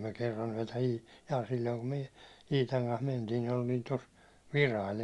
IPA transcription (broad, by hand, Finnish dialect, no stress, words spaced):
myø kerːɑn yæ̹tæ iː jɑː silʲːoiŋ kum myø iːtɑŋ kɑns mentiːn̞ nin oltiːn tos ʋirɑil